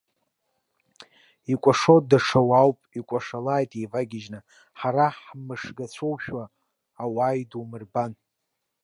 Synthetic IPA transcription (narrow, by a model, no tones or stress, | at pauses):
ikʷʼaʂodaʂʰawawpʼikʷʼaʂalaːjtʼejvaɡʲɪʒnɨ | ħaɾaħmɨʂɡat͡ɕʷʰowʃᶣwaː | waːjdumɨrban